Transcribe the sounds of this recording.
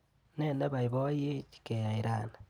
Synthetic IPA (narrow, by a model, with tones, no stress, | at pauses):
ne˦˨ne˦βa˨iβo˦je˦t͡ʃi̥˦ke˨ja˨iɾa˨na